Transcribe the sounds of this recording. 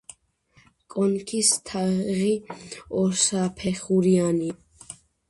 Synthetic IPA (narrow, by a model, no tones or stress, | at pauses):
kʼɔnkʰist̪ʰaʁiɔɾsapʰɛχuɾiani